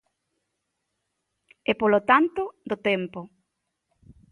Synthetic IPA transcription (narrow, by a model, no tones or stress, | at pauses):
ɛpolot̪ant̪ʊd̪ot̪ɛmpʊ